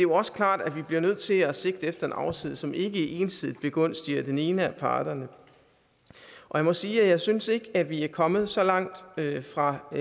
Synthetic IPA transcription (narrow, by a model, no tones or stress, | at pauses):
d̥e̝joɒ̽sə̥kʰlɑ̰̈ːd̥æʋib̥liɐnøð̞̰ˠt͡sʰe̝læse̝ɡ̥d̥əefd̥ɐe̝nɑ̈ʊsið̰ˠsɒ̽me̝ɡ̥əʔe̝ːnsið̰ˠð̩ˠb̥e̝ɡ̥ɔ̽n̰sd̥iɐd̥ene̝ːnəæpʰɑ̰̈ːd̥ɐnə | ʔɒ̽jɑ̈ɪmɒ̽siːæjɑ̈ɪsynse̝ɡ̥əæʋiæɐkʰɒ̽mð̞̩ˠsɒ̽lɑ̈ŋ̰d̥fʁɑ̈